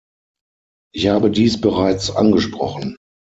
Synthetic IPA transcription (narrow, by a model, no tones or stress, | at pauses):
ʔɪçhaːbədiːsb̥əʁaɪt͡sʔa̰nɡəʃpʁ̥ɔ̰χn̩